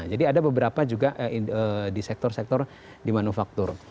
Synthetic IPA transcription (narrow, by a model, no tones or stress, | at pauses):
d͡ʒadiadabəbəɾapad͡ʒuɡaʔədisɛk̚t̪ɔrsɛk̚t̪ɔr | dimanufak̚t̪ʊr